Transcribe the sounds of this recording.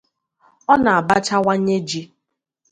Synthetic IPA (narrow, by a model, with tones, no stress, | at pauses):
ɔ˦na˨a˨ba˦t͡ʃa˦wa˦ɲe˦d͡ʒi˦